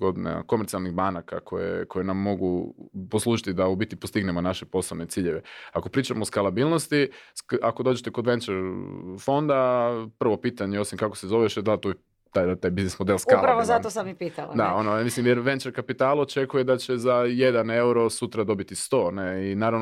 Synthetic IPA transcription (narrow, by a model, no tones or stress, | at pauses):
ɡod̪ina̰ko̞meɾt̪ialˠnixbanaka̰kʰo̰jḛkʰo̞jenamːo̞ɡupo̞slˠuːʒit̪id̪aubit̪ipost̪iɡnemonaʃepo̞slone̞t̪siːʎe̞ʋe̞ako̞pɾiːt͡ʃamooskalˠabiːlno̞st̪iako̞d̪oːd͡ʒet̪e̞ko̞d̪ʋe̞nt͡ʃeɾfo̞nd̪apr̩ʋo̞piːt̪aɲeo̞simkakosezo̞ʋeʃed̪at̪o | t̪ajd̪at̪aːjbiznesmod̪elˠskalpɾaʋozat̪osamːipiːt̪alad̪aonomislimjeɾʋe̞nt͡ʃeɾkapit̪aːlot͡ʃe̞kuje̞d̪at͡ɕe̞zaje̞d̪ane̞wuɾo̞sut̪ɾad̪o̞bit̪ist̪o̞neinaːɾaʋn